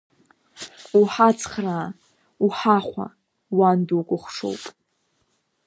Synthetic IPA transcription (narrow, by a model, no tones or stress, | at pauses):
uħat͡sʰʼχraː | uħaχʷa̰ | wanduwkʷʼʊχʷʂo̰wpʼ